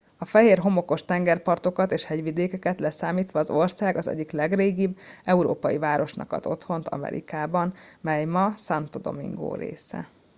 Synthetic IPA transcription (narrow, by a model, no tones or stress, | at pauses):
ɒfɛɦeːrɦo̞mo̞ko̞ʃt̪ɛŋɡɛrpɒrt̪o̞kɒt̪eːʃhɛɟʋid̪eːkɛkɛt̪lɛsaːmiːt̪ʋɒːzo̞rsaːɡɒzɛ̰ɟːiklɛɡreːɡibɛuɾo̰ːpɒjivaːɾo̞ʃnɒ̰kɒ̰t̪o̞t̪ho̞nt̪ɒ̰mɛ̰ɾḭkaːbɒnmɛjmɒsɒnt̪od̪o̞̰mḭŋɡo̰ːɾḛːsɛ̰